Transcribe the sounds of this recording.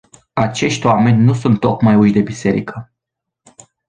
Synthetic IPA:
at͡ʃe̞ʃt̪ʲwame̞nʲnusunt̪ːo̞kmajut͡ʃd̪e̞bise̞ɾḭkə

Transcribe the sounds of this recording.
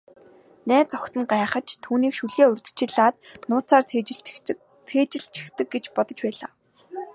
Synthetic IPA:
næːt͡sɔkt̪ə̆ŋɢaːχə̆t͡ɕt̪ʰuːniːkʃuɮeːɵrʲt̪ɘ̥̆t͡ɕɪ̆ɮaːt̪̚nʊːt͡sʰaːr | t͡sʰeːt͡ɕɪ̆ɬt͡ɕɪ̥̆xt̪ɘ̆k̚ɡet͡ɕpɔt̪ɞ̆t͡ɕpæːɮa̰ː

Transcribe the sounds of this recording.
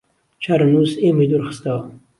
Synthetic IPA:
t͡ʃaɾanuseməjd̪uɾxə̥st̪awa

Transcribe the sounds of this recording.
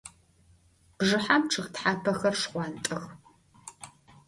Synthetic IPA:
b̥ʐɨħamʈ͡ʂʰɨʁtħaːpʰɐxɐrʂqʷɑntʼɨx

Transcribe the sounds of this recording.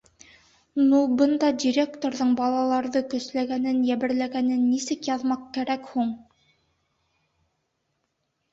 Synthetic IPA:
nubɤnd̪ɑdʲiɾʲekt̪oɾðɤɴbɑlˠɑlˠɑɾðɤkɵ̆slæɡænɘnjæβɘ̆ɾlæɡænɘnːisɘkjɑðmɑqkæɾækhuɴ

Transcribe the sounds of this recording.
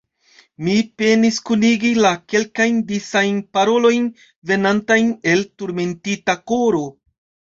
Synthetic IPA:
mipe̞niskuniɡilake̞lkajndisajnpaɾo̞lo̞jn | ve̞nantajne̞ltuɾme̞ntitako̞ɾo̞

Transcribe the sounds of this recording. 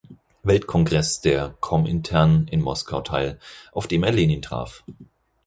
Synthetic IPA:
vɛltkʰɔŋɡʁɛsd̥eːɐkʰɔmɪ̰ntʰɛɐnɪnmɔskʰaʊtʰaɪlʔaʊfd̥eːmɛɐleːniːntʁ̥a̰ːf

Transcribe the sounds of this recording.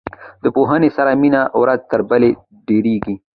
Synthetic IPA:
d̪̥əpoɦənesaɾaminaʔwɾaz̚t̪əɾbəle | ɖeɾeɡi

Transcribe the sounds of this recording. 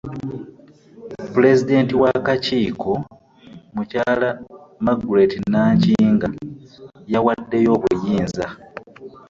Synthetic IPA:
pule̞zide̞ːntiwakaciːkʰo̞ | mucaːlamaɡuɾetinaːɲciŋɡa | jawadːe̞jo̞ːβujiːnza

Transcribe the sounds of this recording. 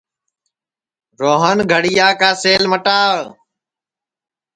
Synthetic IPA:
ɾoːɦənɡʱəɽijaːkaːseːlməʈaː

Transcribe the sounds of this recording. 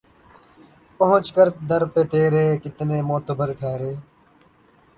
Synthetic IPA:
pəɦʊ̃t͡ʃkəɾd̪əɾpeːt̪eːɾeːkɪt̪neːmoːt̪əbəɾʈʰɛːɾeː

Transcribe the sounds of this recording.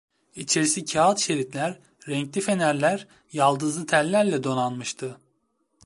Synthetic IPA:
it͡ʃʰe̞ɾisicʰaːt̪ʃe̞ɾit̪lʲæɾː | ɛɲclʲife̞næɾlʲæɾ | jalˠd̪ɯzlˠɯt̪ʰælʲːæɾlʲɛd̪o̞nanmɯʃt̪ʰɯ

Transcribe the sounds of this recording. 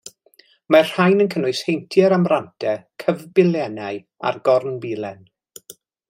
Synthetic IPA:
marr̥ajnənkʰənʊɨshejntʰjɛɾamrantʰɛkʰəvbɪlˠjɛnaj | a̰rɡɔrnbiːlˠɛn

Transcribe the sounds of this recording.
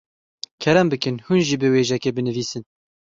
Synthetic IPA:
kʰɛɾɛmbɨkɨnhunʒibɨweːʒɛkeːbɨnɨviːsɨn

